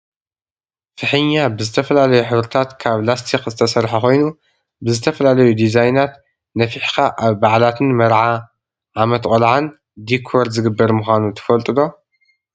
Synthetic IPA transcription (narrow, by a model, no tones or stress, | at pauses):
fɨħɨɲːabɨzɨt̪ʰɐfɐlalɐjuħɨβɾɨt̪ʰat̪kʰaβlast̪ʰikzɨt̪ʰɐsɐɾħaxo̞jnu | bɨzɨt̪ʰɐfɐlalɐjud̪izajnat̪ | nɐfiħkʰaʔaβbaʕlat̪ʰɨnmɐɾʕa | ʕamɐt̪kʼɐlʕan | d̪ikʰoɾd̪zɨɡɨbːɐɾmɨxʷanut̪ʰɐ̥fɐlt̪ʼɨd̪o̞